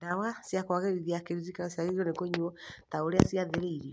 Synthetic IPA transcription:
dawasjakwaɣeɾiðiakeɾizikaasiaɾiiɔnekoɲuɔtaoɾea̰siaðeɾeiɾiɔ

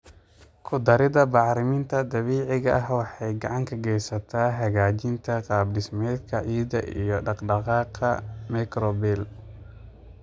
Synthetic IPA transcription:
kʰʊd̪ɐɾɪðɐbɑʕɾɪmɪnt̪ʰɐd̪ɐβiːʕɪɣɐʔɐɦwɑħɑjɡɑʕɑŋkʰɐɡɛjsɐt̪ʰaːɦɐɣaːt͡ʃɪnt̪ʰɐqɑːbɖɪsmɛːd̪kʰɐʕiːd̪ɐ̰ʔḭjɔɖɑqɖɑqɑːqʰɐmɛkɾɔbɛl

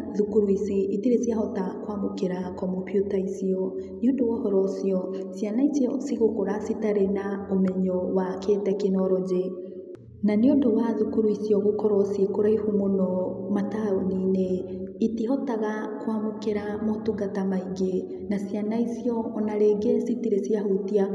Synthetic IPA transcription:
ðukuɾwisiitiɾesjaɦɔtakwamokeɾakɔmopjutaisiɔ | neondowɔhɔɾɔsiɔsjanaisiɔsiɣokoɾasitaɾenaomɛɲɔwaketɛkinɔɾɔd͡ʑe | naneondowaðukuɾuisiɔɣokɔɾɔsiekoɾaihumonɔmataonineitiɦɔtaɣakwamokeɾamotuɡatamaiɡe | nasjanaisiɔːnaɾeɡesitiɾesijahotia

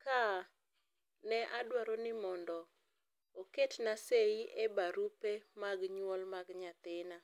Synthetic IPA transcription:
ka | nɛʔadwaɾonɪmɔndɔ | oketnaseiʔebaɾupemaɡɲwɔlmaɡɲat̪ɪna

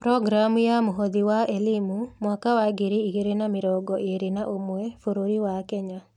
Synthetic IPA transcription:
pɾɔɡɾamjamuɦod̪iwaʔelɪmumwakawaɡeɾeiɡeɾenamɪɾɔɡɔʔeɾenaʔomuefoɾoɾiwakɛɲa

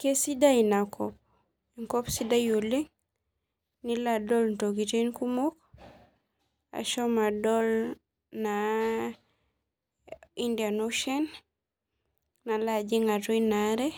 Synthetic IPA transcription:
kesidainakɔp̚ | iŋkopsidajulːiŋ | niladɔlntoɡitenkumok | a̰ʃomadɔl | na | indianuʃen | nalad͡ʒiŋatuinaɾe

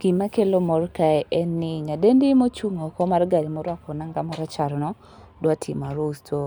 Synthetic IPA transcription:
ɡ̥imakelomɔrkaɛʔɛnːɪɲadendɪmot͡ʃuŋokɔmarɡadimɔɾwakɔnaŋɡamɔɾat͡ʃaɾnɔ | dwatʰimaɾoustʰo

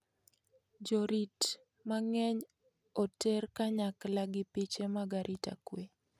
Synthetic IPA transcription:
d͡ʒoɾit | maŋɛɲ | ɔtɛrkaɲaklaɡɪpit͡ʃemaɡaɾʔita̰kwe

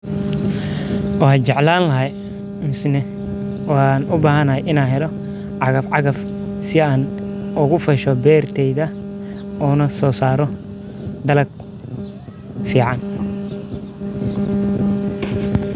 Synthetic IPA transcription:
wɑːt͡ʃɛʕlaːnlɐɦɐj | mɪsnɛ | wnʊbaːɦɐnɐɦɛjʔɪnaːnɦɛlɔ | ʕɑɣɐfʕɑɣɐf | sɪaːnʊɣʊfɐʃɔbɛːrt̪ʰɛjðɐ | uːnɐsɔːsaːɾɔ | d̪ɐlɐɡ | fiːʕɑn

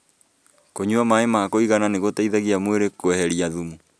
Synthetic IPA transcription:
koɲuamaemakoiɣananeɣotaiðaɣiamweɾekwɛhɛɾiaðumu

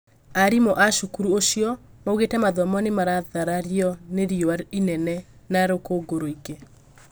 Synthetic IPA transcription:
aɾimɔʔaʃukuɾuoʃiɔmauɣetɛmaðɔmɔnemaɾaðaɾaɾjɔneɾioainɛnɛ | naɾokoɡoɾoiɡe

